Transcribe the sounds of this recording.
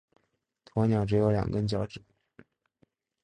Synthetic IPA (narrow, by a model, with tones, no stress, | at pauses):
t̪ʰwɔ˧˥njɑ˧˩ʊʈ͡ʂɻ̩˧˥jo˧˥ʊljɑ̰˨˩ŋkə˥nt͡ɕjɑ˧˥ʊʈ͡ʂɻ̩˨˩˦